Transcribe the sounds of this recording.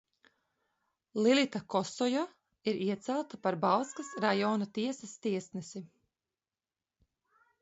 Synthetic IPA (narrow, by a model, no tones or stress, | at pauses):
lˠilˠit̪akɔsɔja | iɾiɛt̪sælˠt̪apaɾbalˠskasɾajɔːnat̪iɛsast̪iɛsnɛsi